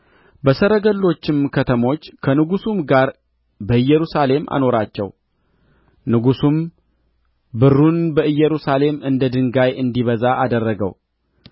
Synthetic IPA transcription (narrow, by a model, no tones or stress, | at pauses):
bəsəɾəɡəlːo̞t͡ʃːɪmkʰət̪ʰəmo̞t͡ʃːkʰənɨɡusumɡaɾ | bəɨjːɛɾusale̞mʔa̰no̞ɾat͡ʃːɛ̰w | nɨɡusum | bɨrunbəʔɨjːɛɾusale̞mɨnd̪əd̪ɨŋɡajɨnd̪iβəzaʔad̪ərːəɡə̰w